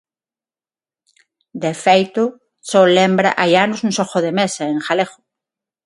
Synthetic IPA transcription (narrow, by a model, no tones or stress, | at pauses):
d̪efejt̪ʊ | solembɾa̰ʔajanosũnsoxoðemesaeŋxaleχo̥